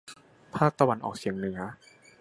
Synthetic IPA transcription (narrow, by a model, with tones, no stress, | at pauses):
pʰaː˥˩k̚t̪a˧wa˧˦nʔɔ̰ː˨˩k̚si˨˩˦əŋnɯ˩˦ɐ